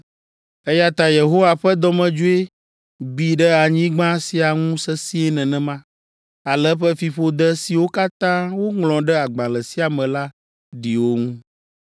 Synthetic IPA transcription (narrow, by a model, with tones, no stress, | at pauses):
ɛ˦ja˦t̪a˨je˨ɦo˦wa˨ɸɛ˦d̪ɔ˦mɛ̃˨d͡ʒu˦e˦ | bi˨ɖɛ˦a˨ɲĩ˦ɡ͡bã˦si˨a˨ŋũ˦sɛ˦si˦ɛ˦nɛ̃˨nɛ̃˨mã˦ | a˨lɛ˦ɸɛ˦fi˨ɸo˦d̪ɛ˦si˨wo˦ka˦t̪ã˦wo˦ŋlɔ̃˨ɖɛ˦a˨ɡ͡bã˨lɛ˨si˦a˨mɛ̃˨la˦ | ɖi˨wo˦ŋũ˦